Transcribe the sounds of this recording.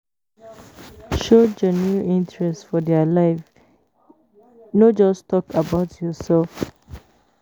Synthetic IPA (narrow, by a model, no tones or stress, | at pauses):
ʃod͡ʒənjuʔĩntɹɛstfɔdɛəlaɪf | nod͡ʒɔstɔkabaʊtʰjɔsɛlf